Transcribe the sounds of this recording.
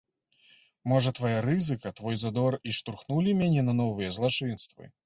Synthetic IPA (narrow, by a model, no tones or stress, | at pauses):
mɔʐɐt̪vajaɾɨzɨkɐt̪vɔjzad̪ɔriʂt̪urxnulʲimʲanʲɛnɐnɔvɨjɐzlˠat͡ʂɨnst̪vɨ̰